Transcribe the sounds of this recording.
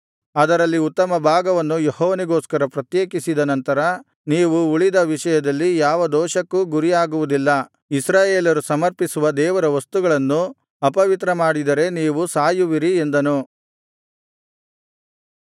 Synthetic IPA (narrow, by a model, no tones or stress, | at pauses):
ɐd̪ɐɾɐlːiut̪ːɐmɐbʱaːɡɐʋɐnːujehɔːʋɐniɡoːskɐɾɐpɾɐt̪jeːkisid̪ɐnɐnt̪ɐɾɐ | niːʋuuɭid̪ɐʋiʃɐjɐd̪ɐlːijaːʋɐd̪ɔːʃɐkːuɡuɾijaːɡuʋud̪ilːɐ | isɾaːjeːlɐɾusɐmɐɾpisuʋɐd̪ɛːʋɐɾɐʋɐst̪uɡɐɭɐnːu | ɐpɐʋit̪ɾɐmaːɽid̪ɐɾe̞niːʋusaːjuʋiɾie̞nd̪ɐnu